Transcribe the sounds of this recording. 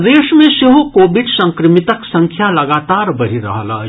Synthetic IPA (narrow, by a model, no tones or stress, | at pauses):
d̪eːʃmẽseɦokoːbɪɖsɐ̃ŋkɾɪmɪt̪əksɐ̃ŋkʰjalɐɡaːt̪aːɾbɐɾ̤iɾɐ̰ɦala̰ː